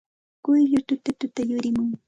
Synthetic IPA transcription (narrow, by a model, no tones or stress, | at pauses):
kʊjʎʊt̪ʊt̪ʊt̪ʊt̪ajʊɾɪmʊŋ